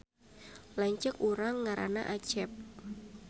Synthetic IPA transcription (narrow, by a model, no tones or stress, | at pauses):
laɲt͡ʃəkuɾaŋːaɾa̰naʔat͡ʃɛp̚